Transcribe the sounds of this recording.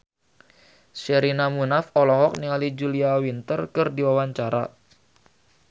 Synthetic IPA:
ʃɛɾinamunafɔlɔɦɔk̚niŋalid͡ʒuliawint̪ərkɨrdiwawaɲt͡ʃaɾa̰

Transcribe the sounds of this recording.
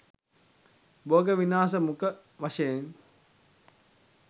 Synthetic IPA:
boːɡəʋinaːs̬əmukə | ʋaʃɐjen

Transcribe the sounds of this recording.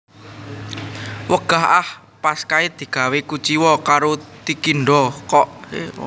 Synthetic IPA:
wəɡ̥aɦah | paskaid̪̥i̤ɡ̥a̤wekut͡ʃiwɔkaɾot̪ikiɳɖɔkɔʔe

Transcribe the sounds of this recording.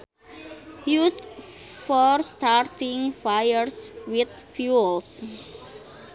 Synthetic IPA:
hjus | fɔɾstʰaɾtɪ̃ŋfajəɾswɪd̪ | fjuls

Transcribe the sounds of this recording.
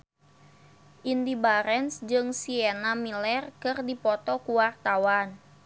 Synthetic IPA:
ʔindibaɾɛnsd͡ʒɨŋsiɛnamilɛrkɨrdipɔt̪ɔkuwart̪awan

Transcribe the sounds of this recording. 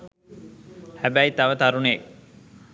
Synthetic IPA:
hæbæit̪aʋət̪aɾuneː

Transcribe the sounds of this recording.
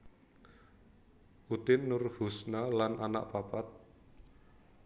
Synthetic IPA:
ʔut̪ɪnːʊrhusnalanʔana̰ʔpapat̪̚

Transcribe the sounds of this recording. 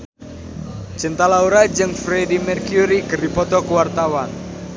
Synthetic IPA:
t͡ʃənt̪alauɾad͡ʒɨŋfɾedimɛrkjuɾikəripɔt̪ɔkəwart̪awan

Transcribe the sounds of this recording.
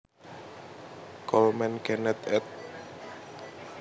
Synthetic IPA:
kɔlmɛnkɛnɛt̪ɛt̪̚

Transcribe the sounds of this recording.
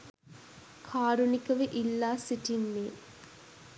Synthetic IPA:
kʰaːɾunikɐʋeʔilːaːsiʈinːeː

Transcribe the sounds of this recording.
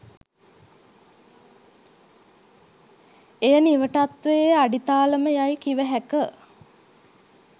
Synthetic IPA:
ejəniʋəʈat̪ʋejaɖit̪aːləməjajkiʋəɦækə

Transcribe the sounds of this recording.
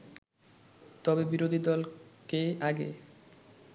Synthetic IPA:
t̪ɔbebiɾod̪ʱid̪ɔlkeaɡḛ

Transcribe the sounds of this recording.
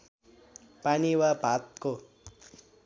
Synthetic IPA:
paniwabʱat̪̚ko

